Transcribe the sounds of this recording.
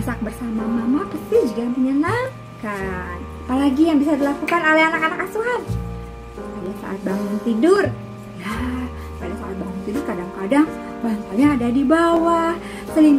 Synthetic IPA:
sak̚bərsamamamapast̪ihd͡ʒuɡampəɲəna | kan | apalaɡijaŋbisadilakukanalaanakanakasuɦan | padasa̰ʔat̪̚baŋʊŋt̪idʊr | ja | padasaʔat̪̚baŋʊnt̪idʊrkadaŋkadaŋ | bansaɲaːdadibawah | səlim

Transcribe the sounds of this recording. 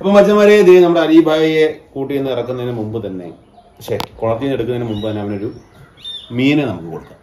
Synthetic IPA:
ɐpːomɐt͡ɕːɐnʋɐɾeɐd̪ijnɐmːɐɽeɐɾibʱaːjijekuːʈːijenːɨirɐkːunːɐðinːemumbɨt̪ɐnːe̞̰ | pɐkʂekoɭɐt̪ːijuneɽukːunɐinemumbɨt̪ɐnːeaːɐneoɾu | miːnenɐmukːɨko̞ɽukːa̰

